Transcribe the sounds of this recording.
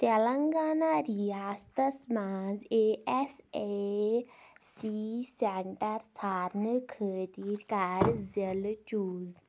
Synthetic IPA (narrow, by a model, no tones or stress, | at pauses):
t̪ɛlaŋɡanaɾijast̪əsmad͡zeɛse | sisɛɳʈəɾsʰaɾnəkʰət̪iːɾkaɾd͡zəlt͡ʃuːz